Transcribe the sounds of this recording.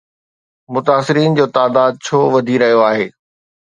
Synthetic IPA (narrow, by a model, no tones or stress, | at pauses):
mʊt̪aːsɪɾiːnd͡ʑoːt̪aːd̪aːd̪̚t͡ɕʰoːʋɐd̪ʱiɾɐɦijoaːɦeː